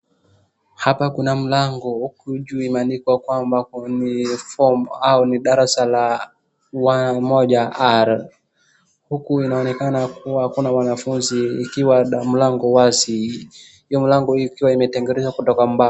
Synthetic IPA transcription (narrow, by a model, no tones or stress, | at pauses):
hapakunam̩laŋɡɔhukuʄuimanikwakwambanifɔmauniɗaɾasala | wamɔʄaaɾ | hukuinaɔnɛkanakuwahakunamwanafunziːkiwam̩laŋɡɔwasi | hijɔmilaŋɡɔhikiwaimɛtɛŋɡɛɾɛzakutɔkam̩ba